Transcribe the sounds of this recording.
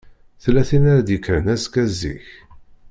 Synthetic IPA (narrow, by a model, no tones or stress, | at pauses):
θlæθinæɾæd̪jəkːɾənæskæzːḭç